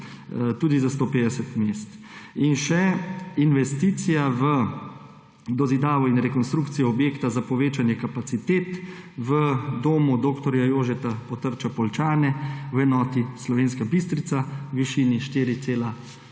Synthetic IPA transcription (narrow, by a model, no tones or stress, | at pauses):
t̪uːd̪izast̪oːpeːd̪ɛsɛt̪meːst̪ | inʃɛinʋɛst̪iːt̪sijaʋə | d̪ɔzid̪aːʋɔinɾɛkɔnst̪ɾuːkt̪sijɔɔbjeːkt̪azapɔʋeːt͡ʃanjɛkapat̪sit̪eːt̪ | ʋəd̪oːmud̪oːkt̪ɔɾjajoːʒɛt̪apɔt̪əɾt͡ʃapɔlt͡ʃaːnɛwɛnɔːt̪islɔʋeːnskabist̪ɾit̪sawʋiʃiːniʃt̪iːɾit̪seːla